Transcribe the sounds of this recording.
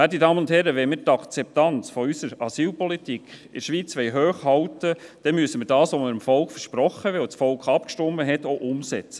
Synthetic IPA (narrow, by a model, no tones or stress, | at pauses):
ædidɑːmənʊnthɛɾəʋɛmiːɾtɑkt͡sɛp̚tɑnt͡sfɔysəɾɑsiːlpɔlitikχ | ɪʃʋiːt͡sʋɛɪɦøːχhɑltəd̥ɛnmyəsəmiːɾdɑːsʋoməɾəmfɔlkfəɾʃpɾɔχːəʋɛlsfɔlkχɑpkʃtɔmːəɦɛtoʔʊmsɛt͡sə̥